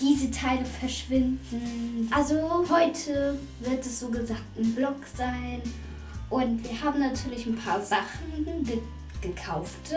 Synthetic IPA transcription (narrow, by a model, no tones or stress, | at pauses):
d̥iːzətʰaɪləfɛɐʃv̥ɪndn̩ʔalzohɔʏtʰə | vɪɐtɛsz̥oːɡəzaːk̚tnblɔkz̥aɪn | ʔʊntv̥iːɐhaːbm̩natʰyːɐlɪçn̩pʰaːɐzaχn̩ə | ɡ̥əkʰaʊft